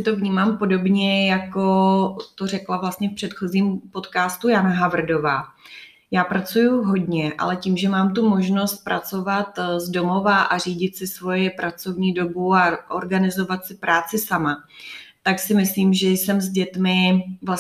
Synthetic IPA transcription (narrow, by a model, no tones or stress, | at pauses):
sɪt̪o̞vɲiːmaːmpo̞do̞bɲɛjako̞t̪o̞r̝ɛklavlast̪ɲɛfpr̥ɛt̪xo̞ziːmpo̞t̪kaːst̪ujanaɦavr̩do̞vaː | jaːpɾat͡sujuɦo̞dɲɛʔa̰lɛciːmʒɛmaːmt̪umo̞ʒno̞st̪̚pɾat͡so̞vat̪zdo̞mo̞vaʔariːɟɪt̪sɪsvo̞jɛpɾat͡so̞vɲiːdo̞buaʔo̰ɾɡanɪzo̞vat̪sɪpɾaːt͡sɪsamat̪aksɪmɪsliːmʒɛjsɛmzɟɛt̪mɪvla